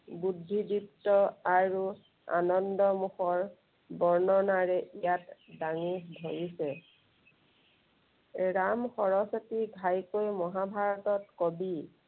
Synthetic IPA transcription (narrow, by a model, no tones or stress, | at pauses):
budʱːidiptɔaɹu | a̰nɔndɔmuxɔɹ | bɔɹnɔnaɹɛʔijatdaŋidʱoɹisɛ | ɹamxɔɹɔsɔtiɡʱajkojmɔɦabʱaɹɔtɔt̚kɔbi